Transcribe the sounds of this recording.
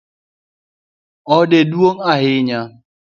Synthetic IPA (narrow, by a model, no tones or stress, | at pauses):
ɔdeduoŋaɦɪɲa